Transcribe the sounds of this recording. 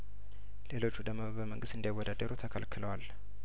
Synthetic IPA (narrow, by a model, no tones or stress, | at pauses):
le̞lo̞t͡ʃːud̪əmmobəməŋɡɨst̪ɨnd̪ajwɔd̪ad̪əɾut̪ʰəkʰalkʰɨləwal